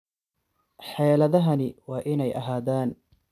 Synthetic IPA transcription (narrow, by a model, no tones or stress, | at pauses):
ħɛːlɐðɐɦɐnɪwɑːʔɪnɛjʔɐ̰ɦaːðaːn